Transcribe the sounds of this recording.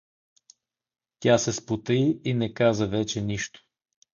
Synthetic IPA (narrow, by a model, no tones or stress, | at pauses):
t̪ʲasɛspot̪əiinɛkazəvɛt͡ʃɛniʃt̪o̥